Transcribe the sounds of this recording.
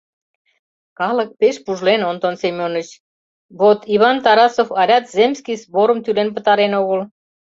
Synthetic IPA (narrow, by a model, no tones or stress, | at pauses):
kɑlək̚peʃpuʒlenont̪onsemʲonət͡ɕ | βot̪iβɑnt̪ɑɾɑsofɑɾʲɑt̪zemʲskijzboɾəmt̪ylenpə̆t̪ɑɾenoɣəl